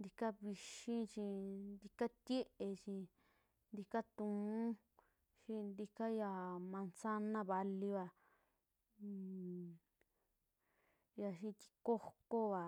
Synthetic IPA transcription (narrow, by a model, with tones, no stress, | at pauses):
nd̪i˧ka˦βi˧ʃĩ˦t͡ʃĩ˧nd̪i˧ka˦t̪ʲje˦ʔe˧t͡ʃĩ˧ | nd̪i˧ka˦t̪ũ˨˧˨ | ʃĩ˧nd̪i˧ka˦ja˧˨mã˧nsa˦nã˦˧βa˧li˧βa˧ | ja˧ʃĩ˧t̪i̥˧ko˦ko˦βa˨